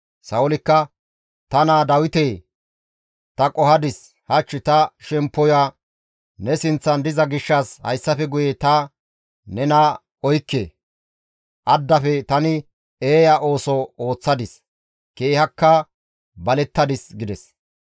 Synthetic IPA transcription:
sɐwʊlɪkːɐ | t̪ɐnaːd̪ɐwɪt̪eː | t̪ɐkʼɔhɐd̪ɪs | hɐt͡ʃːɪt̪ɐʃɛmpːɔja | nɛsɪnt͡sːɐnd̪ɪzɐɡɪʃːɐshɐ̰jsːɐfɛɡʊjɛt̪ɐ | nɛna | ɔjkːḛː | ʔɐd̪ːɐfɛt̪ɐnɪ | eːjaʔo̞ːsɔo̞ːt͡sːɐd̪ɪs | keːhɐkːɐ | bɐlɛt̪ːɐd̪ɪsɡɪd̪ɛs

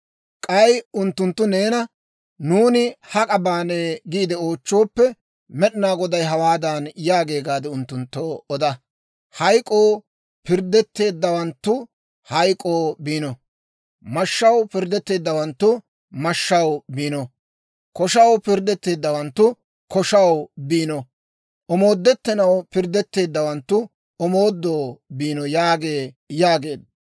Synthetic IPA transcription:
kʼɐjʊnt̪ːʊnt̪ːʊne̞ːnɐ | nuːnɪhɐkʼɐbaːneːɡiːd̪ɛo̞ːt͡ʃːoːpːɛ | mɛɗɪnaːɡɔd̪ɐjɦɐwaːd̪anjaːɡe̞ːɡaːd̪ɛʊnt̪ːʊnt̪ːoːɔd̪ɐ | hɐjkʼoː | pɪɾd̪ɛt̪ːe̞ːd̪ːɐwɐnt̪ːʊ | hɐjkʼoːbiːnɔ | mɐʃːɐwpɪɾd̪ɛt̪ːe̞ːd̪ːɐwɐnt̪ːʊ | mɐʃːɐwbiːnɔ | kɔʃɐwpɪɾd̪ɛt̪ːe̞ːd̪ːɐwɐnt̪ːʊ | kɔʃɐwbiːnɔ | ʔɔmo̞ːd̪ːɛt̪ːɛnɐwpɪɾd̪ːɛt̪ːe̞ːd̪ːɐwɐnt̪ːʊ | ɔmoːd̪ːoːbiːnɔjaːɡe̞ː | jaːɡe̞ːd̪

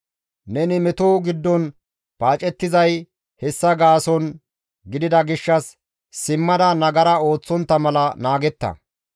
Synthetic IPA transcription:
nɛnɪmɛt̪oːɡɪd̪ːɔn | paːt͡ʃʼɛt̪ːɪzɐj | hɛsːɐɡaːsɔn | ɡɪd̪ɪd̪ɐɡɪʃːɐsː | ɪmːɐd̪ɐnɐɡɐɾɐo̞ːt͡sːɔnt̪ːɐmɐlɐnaːɡɛt̪ːɐ̰

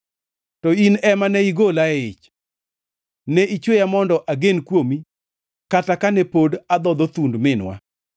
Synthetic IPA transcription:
tɔinɛmanɛiɡolaɪt͡ʃ | nɛʔit͡ʃwojamɔndɔʔaɡenkwomi | katakanɛpodad̪ɔd̪ɔt̪undmɪnwa̰

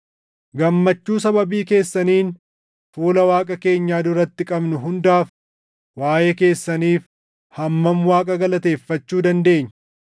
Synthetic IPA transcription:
ɡɐmːɐt͡ʃːuːs̬ɐbɐbiːke̞ːsːɐniːn | fuːlɐwaːkʼɐke̞ːɲːaːd̪ʊɾɐt̪ːɪkʼɐbnʊɦʊnd̪aːf | waːjeːke̞ːsːɐniːf | hɐmːɐmwaːkʼɐɡɐlɐt̪e̞ːfːɐt͡ʃːuːd̪ɐnd̪e̞ːɲːɐ

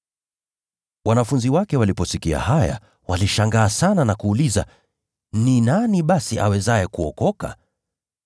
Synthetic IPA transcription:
wanafunziwakɛwalipɔsikia̰haja̰ | waliʃaŋɡaːsananakuːliza | ninaniɓasiʔawɛzajɛkuɔkɔka̰

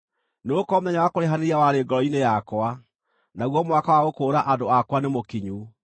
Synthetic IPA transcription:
neokɔmoðɛɲawakoɾeɦaneɾiawaɾeːɡɔɾɔinejakwa | naɣwɔmwakawaɣokoːɾaʔadoakwanemokiɲu

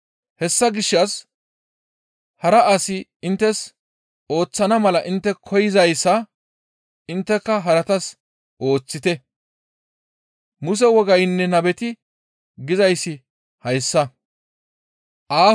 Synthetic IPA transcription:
hɛsːɐɡɪʃːɐs | hɐɾɐʔɐsɪɪnt̪ːɛs | o̞ːt͡sːɐnɐmɐlɐʔɪnt̪ːɛkʰɔjɪzɐjsːɐ | ɪnt̪ːɛkːɐɦɐɾɐt̪ɐs | ʔo̞ːt͡sːɪt̪ɛ | mʊs̬ɛwɔɡɐjnːɛnɐbɛt̪ɪ | ɡɪzɐjsːɪ | hɐjsːɐ | ʔaː

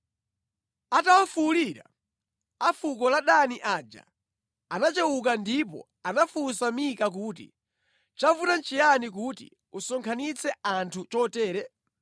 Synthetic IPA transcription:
atawafuliɾa̰ | afukɔlaɗaniʔaːd͡ʒa̰ | anat͡ʃɛwuk̬andipɔ̰ | anafusamikak̬uːt̬ḭ | t͡ʃafutant͡ʃijanik̬utḭ | usɔŋkʰanit͡sʰɛantʰut͡ʃɔtɛːɾɛ

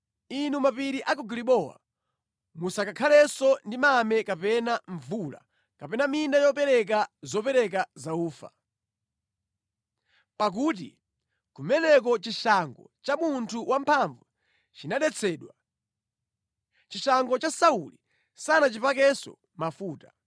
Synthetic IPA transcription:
inumapiɾiʔakuɡliɓɔwa̰ | musakakʰalɛsɔndimamɛkapɛnaɱvula̰ | kapɛnamindajɔpɛɾɛk̬azɔpɛɾɛk̬azauːfa̰ | pak̬uːt̬ḭ | kumɛnɛk̬ɔt͡ʃiʃaŋɡɔ̰t͡ʃamuntʰuwʔampʰaɱvu | t͡ʃinaɗɛt͡sʰɛːɗwa | t͡ʃiʃaŋɡɔt͡ʃasauli | sanat͡ʃipakɛsɔ̰ | mafuːta

